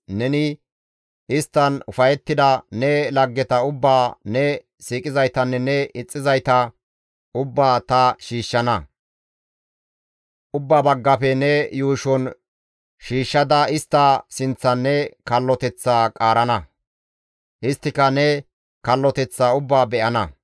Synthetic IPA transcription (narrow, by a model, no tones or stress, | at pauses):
nɛnɪ | ʔɪst̪ːɐnʊfɐjɛt̪ːɪd̪ɐnɛlɐɡːɛt̪ɐʊbːaːnɛ | siːkʼɪzɐjt̪ɐnːɛnɛɪt͡sʼːɪzɐjt̪ɐ | ʔʊbːaːt̪ɐʃiːʃːɐnɐ | ʔʊbːaːbɐɡːɐpɛnɛjuːʃɔn | ʃiːʃːɐd̪ɐɪst̪ːɐsɪnt͡sːɐnːɛkɐlːɔt̪ɛt͡sːaːkʼaːɾɐnɐ | ʔɪst̪ːɪkɐnɛ | kɐlːɔt̪ɛt͡sːaːʊbːaːbɛʔɐnɐ